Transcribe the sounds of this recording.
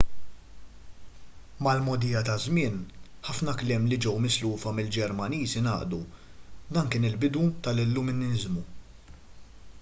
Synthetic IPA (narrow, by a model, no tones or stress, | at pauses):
mɐlmɔd̪ijɐt̪ɐzmɪːnħɐfnɐklɛːmlid͡ʒɛwmɪsluːfɐmɪld͡ʒɛɾmɐniːzinɐ̰ːʔd̪ud̪ɐːnkɪːnɪlbɪd̪ut̪ɐlɪlːʊmɪnɪɪzmu